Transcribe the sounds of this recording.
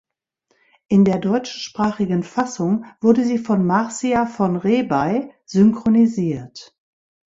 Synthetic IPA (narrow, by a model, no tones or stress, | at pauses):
ʔɪndeːɐdɔʏt͡ʃʃpʁ̥aːχɪɡənfasʊŋv̥ʊɐdəziːfɔnmaʁsiafɔnʁeːbaɪzʏŋkʁ̥oniziːɐt